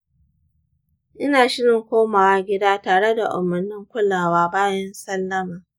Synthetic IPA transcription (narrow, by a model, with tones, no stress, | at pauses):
ʔɪ˦naː˨ʃɪ˦ɽɪ˨ŋkʷoː˦maː˨wa˦ɡʲɪ˦daː˦taː˨ɽe˦da̰˨ʔʊ̰˨mːɐ˨nːɪ˦ŋkʷʊ˦lːaː˨waː˦baː˦jɐ˦nsɐ˦lːɐ˦maː˨